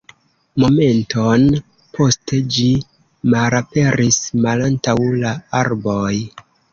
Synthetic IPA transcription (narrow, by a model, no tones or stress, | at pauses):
mo̞me̞ntʰo̞n | pʰo̞ste̞d͡ʒi | maɾape̞ɾʔismalantawlaaɾboj